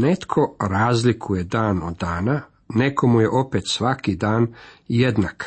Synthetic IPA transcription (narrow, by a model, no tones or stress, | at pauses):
net̪kʰo̞ɾaːzlikʰuje̞d̪aːnod̪ːaːna | neko̞mujeʔo̞pet̪sʋakid̪aːnjed̪nak